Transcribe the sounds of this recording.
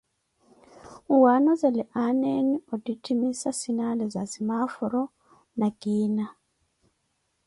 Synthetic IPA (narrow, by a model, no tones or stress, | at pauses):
uwanɔzɛlɛʔanenioditʰimisasinalɛza̰zimafuɾɔ | naɡ̥iːna